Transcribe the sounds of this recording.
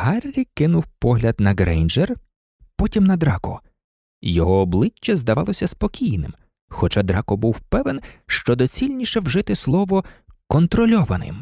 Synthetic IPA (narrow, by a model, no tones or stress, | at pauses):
hɑrʲːikɪnʊwpɔɦlʲɐd̪nɐɡɾɛjnd͡ʒer | pɔtʲimnɐd̪ɾɑkɔ̰ | jɔɦɔːblˠɪt͡ʃːɐzd̪ɐʋɑlˠɔsʲɐspɔkʲijnɪ̰m | xɔt͡ʃɑd̪ɾɑkɔbuwpɛʋenʃt͡ʃɔd̪ɔt͡sʲilʲnʲiʃɛwʒɪt̪ɪslˠɔʋɔkɔnt̪ɾɔlʲɔʋɐnɪ̰m